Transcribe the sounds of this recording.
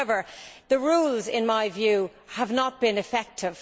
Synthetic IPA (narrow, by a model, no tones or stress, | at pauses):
ɛvə˞ðəɹuːlˠzɪ̃nmaɪvjʉ | əvnət̚b̥ɪ̃nɨfɛk̚tʰɪv̥